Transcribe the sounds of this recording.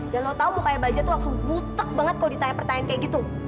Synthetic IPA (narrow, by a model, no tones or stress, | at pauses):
danlot̪aumukajabad͡ʒat̪ulak̚sʊbut̪ək̚baŋət̪̚kalodit̪aɲapərt̪aɲankajaɡit̪u